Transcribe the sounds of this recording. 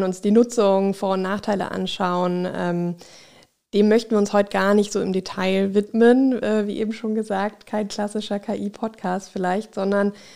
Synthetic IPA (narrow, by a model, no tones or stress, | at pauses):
nʊnsd̥iːnʊt͡sʊŋfoːɐʊnnaːχtʰaɪlə̰ʔa̰nʃaʊənʔɛ̰ːm | d̥eːmmœçtn̩iːɐʊnshɔʏtəɡ̥aːɐnɪçtz̥oːɪmdetʰaɪvɪtmənʔɛːviːʔḛːbm̩ʃoːnɡəzaːk̚tkʰaɪnkʰl̥asɪʃɐkʰaːʔiːpʰɔtkʰaːstfɪlaɪçtz̥ɔndɐn